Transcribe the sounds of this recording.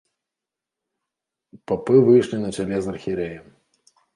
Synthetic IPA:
papɨvɨjʂlʲinɐt͡ʃalʲɛzɐrxʲiɾɛjɐ

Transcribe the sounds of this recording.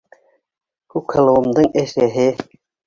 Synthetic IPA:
kʉkhɤ̆lˠɤ̆wɤ̆md̪ɤɴæʃæɦɘ

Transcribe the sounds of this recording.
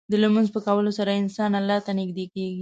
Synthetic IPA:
d̪əlamanzpəkawəlosaɾaɪnsɑnalːɑt̪anɪɡd̪ekeɡi

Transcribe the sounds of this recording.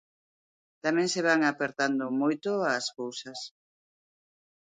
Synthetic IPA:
t̪amɛ̃ŋseβ̞aŋapeɾt̪and̪ʊmojt̪ʊaskowsɐs

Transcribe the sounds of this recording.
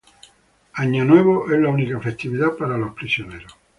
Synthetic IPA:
aɲːanwɛβoʔɛlaunikafest̪iβiðapːaɾalospɾisjonɛɾo

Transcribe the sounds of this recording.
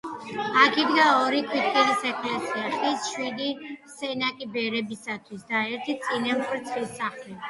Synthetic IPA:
akid̪ɡaɔɾikʰwit̪̚ʰkʰʼɛlisɛkʰʼlɛsiaʃisʃwid̪isɛnakʼibɛɾɛbisat̪ʰwisd̪aɛɾt̪ʰit̪sʼinampʰʼɾt̪sʰχlisaχli

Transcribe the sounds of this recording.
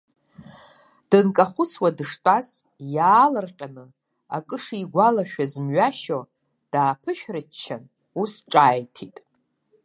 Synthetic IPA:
d̥ɨnkʼaχʷʊt͡sʰwadɨʂtʼaz | jaːlɨrqʲʼanɨ | a̰kʼɨʂiiɡʷalaʃᶣazmɥaʃo | d̥aːpʰɨʃᶣrɨt͡ʃʰːan | usʈ͡ʂʼaːjtʰitʼ

